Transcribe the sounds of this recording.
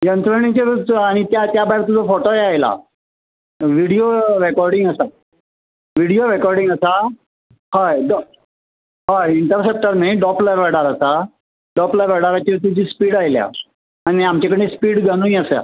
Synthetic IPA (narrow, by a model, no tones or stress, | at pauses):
jənt̪ɾəɳĩt͡ɕəɾt͡saɽ̃it̪jat̪jabaɦjɾt̪ud͡zafoʈoeajla̰ | ʋiɽijoɾekɔɾɖiŋɡəsa | ʋiɽijoɾekɔɾɖĩŋɡəsa | haɖɔ | ɦaiɳʈəɾsep̚ʈəɾmẽɖɔplaʋəɽaɾəsa | ɖɔplaʋəɽaɾat͡ɕiɾt̪ud͡ʑiːspiːɽajlja̰ | añiamt͡ɕakəɽ̃ẽspiːɽɡʱəɽ̃ũĩəsə̰